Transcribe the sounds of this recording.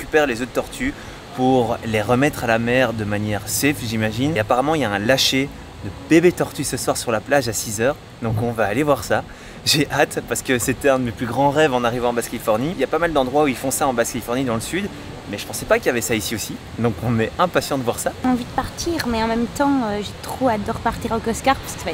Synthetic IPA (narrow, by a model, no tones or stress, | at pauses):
ekʲypɛʁlezod̪̚t̪ɔʁt̪ʰy | puʁleʁəmɛt̪χalamɛʁd̪əmanjɛʁsɛfʒimaʒinapaʁamɑ̃iljaɛ̃laʃe | d̪əb̥ebet̪ɔʁt̪ysəswaʁsyʁlaplaʒasizœʁ | d̪ɔ̃kɔ̃vaːlevwaʁsa | ʒeʔat̪paʁsə̥kəset̪ɛɛ̃d̪əmeplyɡʁɑ̃ʁɛvɑ̃naʁivɑ̃ɑ̃baskalifɔʁniiljapamald̪ɑ̃d̪ʁwauilfɔ̃saɑ̃baskalifɔʁnid̪ɑ̃ləsyd̪ | mɛʒə̥pɑ̃sɛpakiljavɛsaisiosi | d̪ɔ̃kɔ̃nɛɛ̃pasjɑ̃d̪əvwaʁsaɑ̃vid̪əpaʁt̪ʰiʁmɛɑ̃mɛmt̪ɑ̃øʒet̪χoad̪ɔʁpaʁt̪iʁokɔskaʁpaskə̥sva